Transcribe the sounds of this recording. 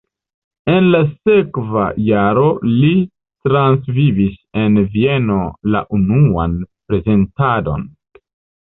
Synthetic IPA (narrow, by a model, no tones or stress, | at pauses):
e̞nlase̞kva̰jaɾo̞li | tɾansvivise̞nvie̞no̞la̰ʔunua̰npɾe̞ze̞ntado̞̰n